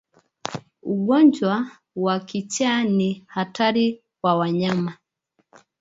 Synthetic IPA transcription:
uɡɔnd͡ʒwa | wakit͡ʃanihataɾi | wawaɲama

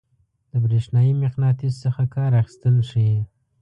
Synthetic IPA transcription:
d̪̥əbɾeʃnɑjimɪqnɑt̪issəxakɑɾaxi̥st̪əlʂije

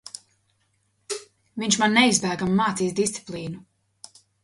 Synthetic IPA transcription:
viɲʲʃmanːɛizbæːɡamːaːt̪siːsd̪ist̪si̥plˠiːnu

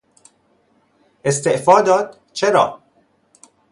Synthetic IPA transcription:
ʔe̞st̪e̞ʔfɒːd̪ɒːd̪̥̚ | t͡ʃʰeɾɒ̰ː

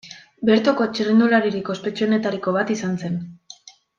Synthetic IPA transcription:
be̞ɾt̪oko̞t͡ʃirind̪ulaɾiɾikospe̞t͡ʃio̞ne̞t̪aɾiko̞βat̪isanse̞n

